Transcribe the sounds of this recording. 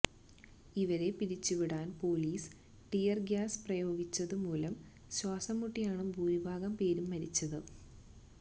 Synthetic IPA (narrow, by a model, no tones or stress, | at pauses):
iʋɐɾe̞piɾit͡ɕːuʋiɽaːnpo̞ːliːs | ʈijɐrɡjaːsprɐjo̞ːɡit͡ɕːɐðɨmuːlɐm | ɕwaːsɐmːuʈːijaːɳɨmbʱuːmibʱaːɡɐmpe̞ːɾumːɐɾit͡ɕːɐðɨ